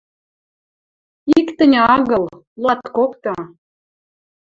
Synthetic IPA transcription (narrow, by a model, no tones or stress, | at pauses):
ikt̪ə̆nʲɑɣɤ̆l | lɑt̪kokt̪ɤ̆